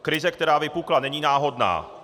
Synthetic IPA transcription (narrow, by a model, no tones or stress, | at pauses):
kɾɪzɛk̚t̪ɛɾaːvɪpuklanɛɲiːnaːɦo̞dna̰ː